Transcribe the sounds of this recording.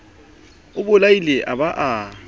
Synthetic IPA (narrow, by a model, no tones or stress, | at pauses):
ʊbʊlailɛʔaβaʔa